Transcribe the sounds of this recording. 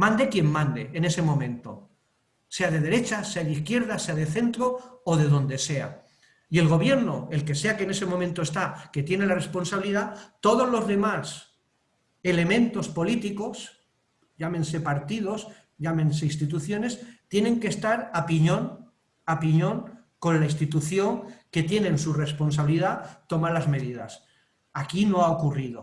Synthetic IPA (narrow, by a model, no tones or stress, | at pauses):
mãnd̪ekje̞mːãnd̪e̞ʔːne̞se̞mõ̞mẽ̞nt̪o̞̰ | se̞að̞e̞ðe̞ɾe̞t͡ʃaseaðiθkje̞ɾðase̞aðeθe̞nt̪ɾo̞oð̞e̞ðõ̞nd̪e̞se̞a̰ | ie̞lɣ̞o̞β̞je̞ɾno̞elke̞se̞akene̞se̞momẽnt̪oe̞st̪ake̞t̪jene̞lare̞spo̞nsaβiliðat̪o̞ðo̞zlo̞zðe̞mas | e̞le̞mẽ̞nt̪o̞spo̞lit̪iko̞s | ɟ͡ʝamẽ̞nse̞paɾt̪ið̞o̞s | ʎamẽ̞nse̞ist̪it̪uθjo̞ne̞st̪je̞ne̞ŋkest̪aɾapiɲõ̞ŋ | apiɲõ̞ŋ | ko̞nlaist̪it̪uθjo̞ŋke̞t̪je̞nẽ̞nsure̞spo̞ns̬aβiliðat̪o̞malazme̞ðið̞a̰s | akino̞aokurið̞o̞